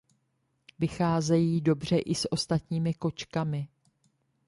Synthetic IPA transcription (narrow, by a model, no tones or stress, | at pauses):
vɪxaːzɛjiːdo̞br̝ɛʔɪsʔo̞st̪at̪ɲiːmɪko̞t͡ʃkamɪ